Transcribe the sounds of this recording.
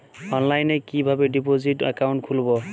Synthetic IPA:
ɔnlajnɛkibʱabɛdipozita̰kawntkʰulbɔ

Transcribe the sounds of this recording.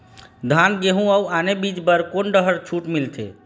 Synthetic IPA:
d̪ʱanɡeɦũəuanebid͡ʒbəɾkonɖəɦəɾt͡ʃʰuʈmilt̪ʰḛ

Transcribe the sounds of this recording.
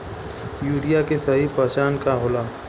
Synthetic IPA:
juːɾijakesɐɦipɐt͡ʃaːnkaɦʊlaː

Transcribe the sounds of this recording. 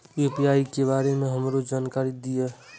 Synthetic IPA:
jepijaikeβaɾemeɦəmɾod͡ʒankaɾid̪ije

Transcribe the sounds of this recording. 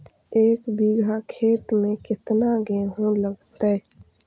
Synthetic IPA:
eːkbiɡʱakʰeːt̪mẽkɪt̪naɡẽːɦõləɡt̪ɛ

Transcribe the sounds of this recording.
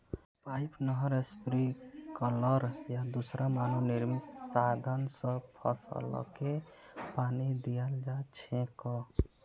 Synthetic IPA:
pajpnəɦəɾespɾikələɾjad̪usɾamanoniɾmit̪sad̪ʱənsə̃pʰɔ̰sə̰lɔ̰ke | panid̪ijəld͡ʒat͡ʃʰẽkɔ

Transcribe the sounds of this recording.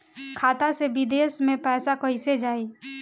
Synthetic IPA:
kʰaːt̪asebid̪eːsmẽpɛːsakəised͡ʒaːi

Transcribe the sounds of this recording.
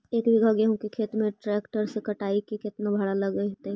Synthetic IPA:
eːkbʱiɡʱɐɡeɦõkekʰeːt̪mẽʈɾɛːkʈəɾsekɐʈaːikikɪt̪nabʱɐɽalɐɡəiɦt̪ɛ

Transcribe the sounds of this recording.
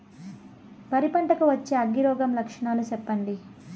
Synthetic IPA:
pɐɾipɐɳʈɐkɐʋɐt͡ʃːeːɐɡːiɾɔːɡɐmlɐkʂɐɳaːlut͡ʃɛpːɐɳɖ̪i

